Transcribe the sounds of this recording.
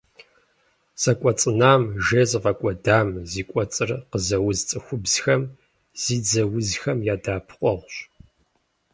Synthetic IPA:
sɐkʷʼɔt͡sʼɨnaːmʒeːzvɐkʷʼɔdaːmziːkʷʼɔt͡sʼɨrqəzɐwʊzt͡sʼɨxʷʊbz̥xɐm | z̥iːd͡zɐwʊzxɐmjaːdaːpʰqʷʼɔʁɕ

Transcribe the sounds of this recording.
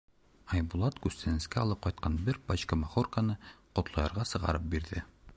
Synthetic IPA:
ɒjbulˠɑt̪ɡʉst̪ænɘ̆skæɒlˠɤp̚qɒjt̪̚qɑnbɘɾbɒɕkɑmɑχorkanɤqŏt̪lˠɑjɑɾʁɑsɤ̆ʁɑ̰ɾɤp̚biɾðɘ

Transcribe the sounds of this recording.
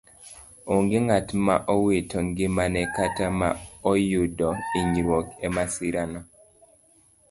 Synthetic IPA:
oŋɡeŋatma̰ʔɔwitɔŋɡɪmanɛkatama̰ɔjudɔiɲɾwokɛmasiɾana

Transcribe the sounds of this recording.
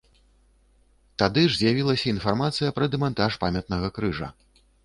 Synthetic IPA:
t̪ad̪ɨʐzʲjavʲilˠɐsʲɐinfarmat̪sɨjɐpɾɐd̪ɛmant̪aʂpamʲɐt̪̚nɐɣɐkɾɨʐɐ̰

